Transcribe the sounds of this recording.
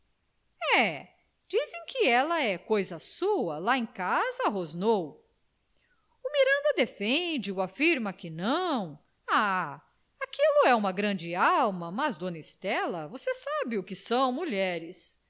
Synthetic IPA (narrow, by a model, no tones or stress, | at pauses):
ɛ | d͡ʒizẽj̃kɪɛlɐɛkojzɐsuɐlaẽkazɐɦoznow | ʊmiɾɐ̃nd̪ɐd̪efẽd͡ʒɪʊafiɾmɐkɪnɐ̃w̃ | a | akilʊɛũmɐɡɾɐ̃d͡ʒɪawmɐmɐzd̪õnɐist̪ɛlɐvosesabɪʊkɪsɐ̃w̃muʎɛɾɪs